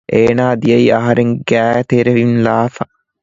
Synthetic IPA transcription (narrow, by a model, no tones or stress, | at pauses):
ʔeːnaːd̪ijɐiɐɦɐɾeŋɡæːjt̪eɾeʋinlaːfɐ